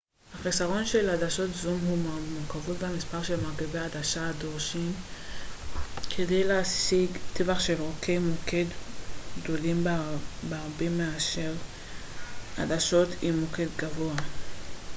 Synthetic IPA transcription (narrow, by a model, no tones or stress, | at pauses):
haχisaʁo̞nʃe̞ladaʃo̞tzumɦumokavotbamispaʁʃe̞lmaʁkiveaadaʃaːdoʁʃim | kʰedejleasiɡt̪evaχʃe̞lʁokʰejmokʰedɡd̪o̞limbeaʁbemeaʃeʁ | a̰daʃo̞t̪ʰimːoke̞d̪ɡavo̞a